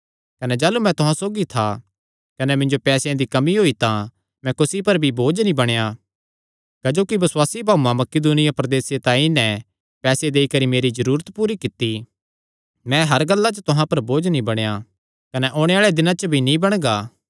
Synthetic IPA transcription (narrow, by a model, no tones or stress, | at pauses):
kɐnɛd͡ʒaːlumɛ̃t̪ʊɦãsoːɡit̪ʰa | kɐnɛmɪ̃ɲd͡ʒopɛːsjãd̪ikɐmiɦoːit̪ã | mɛ̃kʊsipɐɾbʱiboːd͡ʒnĩbɐɽ̃eja | kɐd͡ʒoːkibɐswaːsibʱaːumãmɐkɪd̪uːnɪjapɾɐd̪eːset̪ãːĩnɛ̃ | pɛːsed̪eːikɐɾimeːɾizɐɾuːɾət̪puːɾikɪt̪ːi | mɛ̃ɦɐɾɡɐlːat͡ʃət̪ʊɦãpɐɾboːd͡ʒnĩbɐɽ̃ja | kɐnɛʔoːɽ̃eaːɭed̪ɪnãt͡ʃəbʱinĩbɐɽ̃ɡaː